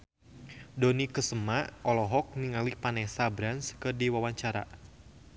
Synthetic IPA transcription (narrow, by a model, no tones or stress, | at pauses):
dɔnikəsəmaʔɔlɔɦɔk̚niŋalipanɛsabɾanskərdiwawaɲt͡ʃaɾa̰